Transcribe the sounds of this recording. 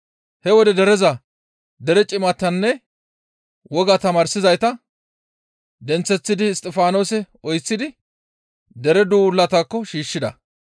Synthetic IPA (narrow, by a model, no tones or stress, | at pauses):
hɛwɔd̪ɛd̪ɛɾɛzɐ | d̪ɛɾɛt͡ʃʼɪmɐt̪ːɐnːɛ | wɔɡat̪ɐmaːɾsɪzɐjt̪ɐ | d̪ɛnt͡sːɛt͡sːɪd̪ɪːst̪ʼːɛfaːno̞ːsɛ | ɔjt͡sːɪd̪ɪ | d̪ɛɾɛd̪uːlːɐt̪akːɔʃiːʃːɪd̪ɐ̰